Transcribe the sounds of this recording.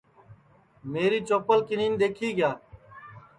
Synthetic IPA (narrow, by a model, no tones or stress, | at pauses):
meːɾiːt͡ʃoːpəlkɪniːnd̪eːkʰiːɡɪjaː